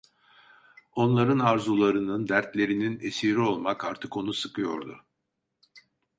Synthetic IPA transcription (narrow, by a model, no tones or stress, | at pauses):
o̞nlˠaɾɯnaɾzulˠaɾɯnɯnd̪æɾt̪lʲe̞ɾinine̞siɾio̞lˠmakaɾt̪ʰɯko̞nusɯkɯjo̞̰ɾd̪ʊ̰